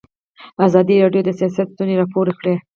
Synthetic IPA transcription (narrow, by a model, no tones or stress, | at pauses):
azɑd̪iɾɑɖjod̪əsijɑs̬at̪t̪uneɾɑpʰoɾexɽe